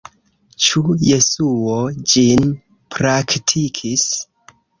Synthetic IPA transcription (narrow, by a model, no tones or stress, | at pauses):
t͡ʃuje̞suo̞d͡ʒin | pɾaktʰikʰis